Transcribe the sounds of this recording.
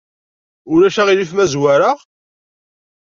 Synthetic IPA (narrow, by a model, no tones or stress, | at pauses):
ʊɾæʃæʁilifmæzwaɾəʁ